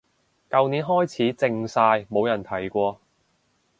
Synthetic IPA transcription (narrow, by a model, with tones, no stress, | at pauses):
kɐ˨˧wniː˨˥nɦɔː˥jt͡sʰiː˨˥t͡sɪ˧ŋsaː˧jmo˨˧wjɐ˨˩nt̪ʰɐ˨˩jkʷɔː˧